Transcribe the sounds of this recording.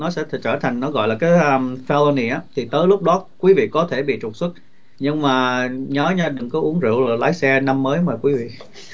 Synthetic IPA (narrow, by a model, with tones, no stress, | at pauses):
nɔ˨˦sɛ̰˧˥˨t͡ɕəː˧˩t̪ʰa˨˩jŋ̟nɔ˨˦ɣɔ̰˧˨jlaː˨˩kaː˨˦jʔəː˧mfɛ˧lo˧ni˨˧˩ʔaː˨˦t̪ʰi˨˩t̪əː˨˦jlʊ˦˥k͡p̚ɗɔ˨˦kwi˨˦vḭ˧˨kɔ˨˦t̪ʰe˧˩ɓḭ˧˨t͡ɕʊ˨˩t̚swə˦˥t̚ | ɲɨ˧ŋmaː˨˩ɲɔ˨˦ɲa˧ɗɨ˨˩ŋkɔ˨˦ʔu˨˦əŋzḭ˧˨əwlo˨˩laː˨˦jsɛ˧na˧mːəː˨˦jmaː˨˩kwi˨˦vḭ˧˨